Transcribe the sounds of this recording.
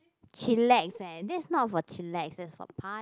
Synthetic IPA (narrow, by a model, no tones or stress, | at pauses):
t͡ʃilɛksɛdɛsnɔt̚fɔt͡ʃilɛksdɛtsfɔ̰pʰa